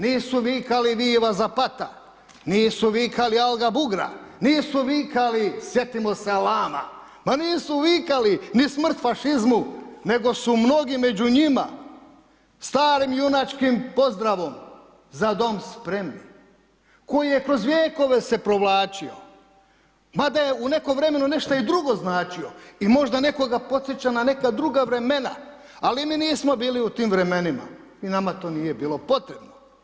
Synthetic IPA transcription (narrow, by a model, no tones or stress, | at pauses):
niːsuʋiːkaliʋiːʋazapat̪a̰ | niːsuʋiːkalialɡabuɡɾa̰niːsuʋiːkalisje̞t̪imo̞sealaːma̰ | maniːsuʋiːkalinismr̩t̪faʃizmune̞ɡo̞sumno̞ɡime̞d͡ʑuɲima̰ | st̪aːɾimjunat͡ʃkimpo̞zd̪ɾaʋo̞m | zad̪o̞mspɾe̞mni | ko̞jijekɾo̞zʋʲjeːko̞ʋe̞se̞pɾo̞ʋlˠaːt͡ʃio̰ | mad̪ajeune̞ko̞mʋɾe̞me̞nune̞ʃt̪aid̪ɾuɡo̞znaːt͡ʃioimo̞ʒd̪ane̞ko̞ɡapo̞t̪sjet͡ɕanane̞kad̪ɾuɡaʋɾe̞me̞na̰ | aliminiːsmo̞biːliut̪iːmʋɾe̞me̞nima̰ | inamat̪o̞ːnije̞biːlo̞po̞t̪ɾe̞bno